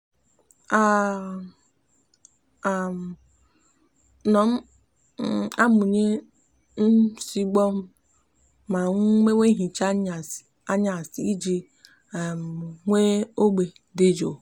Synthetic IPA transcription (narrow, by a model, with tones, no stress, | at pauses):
a˦˨ | m˨ | nɔ˨m̩˦ | a˦mu˨ɲe˦ | n̩˦si˦ɡ͡bɔ˦m̩˦ | ma˨ŋ˦me˦ŋʷe˦ɦi˨t͡ʃa˦˨ | a˦ɲa˨si˦d͡ʒi˨ | a˨m˨ŋʷe˦o˦ɡ͡be˨ | de˦d͡ʒo˨